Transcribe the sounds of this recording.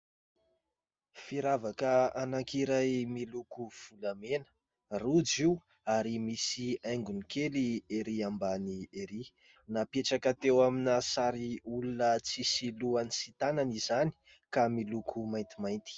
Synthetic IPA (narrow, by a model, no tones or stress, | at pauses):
fiɾavakəanakiɾajmilukuv̥ulamenə̥ | rud͡ʒiu | aɾimisiajŋɡunikʰelieɾiambanieɾi | napeʈ͡ʂakət̪ewaminasaɾiulunət͡sisiluanisit̪ananizani̥ | kamilukʰumajnt̪imajnt̪i̥